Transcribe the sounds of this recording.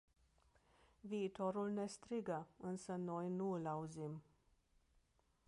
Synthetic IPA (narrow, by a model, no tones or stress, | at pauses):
viːt̪oɾulnest̪ɾiɡəɨnsəno̞jnuɨlauzim